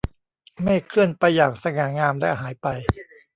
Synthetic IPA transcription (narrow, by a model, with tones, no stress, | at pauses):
ma˥˩jkʰlɯ˥˩ənpa˧jːaː˨˩k̚sa˧ŋaː˩˦ŋaː˧mlɛ̰˦˥˩ɦaː˩˦jpa˧j